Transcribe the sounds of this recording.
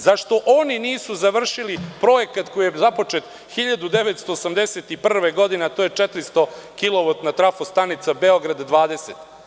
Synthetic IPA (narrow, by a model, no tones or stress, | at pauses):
zaʃt̪o̞ʔo̞niniːsuzaʋr̩ʃilipɾo̞je̞kat̪ko̞jijezapo̞t͡ʂet̪ | xiʎad̪ud̪e̞ʋet̪st̪o̞ːsamd̪eset̪ipr̩ʋeɡo̞d̪inet̪oːjet͡ʂet̪ɾist̪o̞kiloʋot̪nat̪ɾafost̪anit̪sabeoɡɾad̪ːʋaːd̪e̞set̪